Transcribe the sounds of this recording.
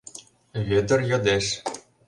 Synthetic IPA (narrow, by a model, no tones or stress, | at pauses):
βʲed̪ɘ̆rjɤ̆d̪eʃ